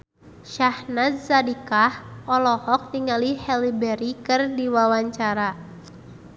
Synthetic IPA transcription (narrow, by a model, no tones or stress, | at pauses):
ʃahnat̪sadikahɔlɔhɔk̚t̪iŋalihɛlibɛɾikɨrdiwawaɲt͡ʃaɾa